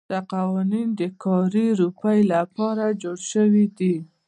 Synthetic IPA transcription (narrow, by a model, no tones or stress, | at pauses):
d̪̥əqawɑnind̪əkʰɑɾiɾupajlapɑɾad͡ʒoɽʃəwid̪i